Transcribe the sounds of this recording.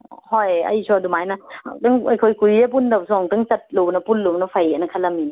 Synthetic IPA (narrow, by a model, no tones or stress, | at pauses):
hojɐ̰jsuɐdumajnɐa̰tɯŋɐjkʰojkujep̬undɐbsɔŋtɯŋt͡ʃɐt̚lunɐpunlunɐpʰajenɐkʰɐlɐmini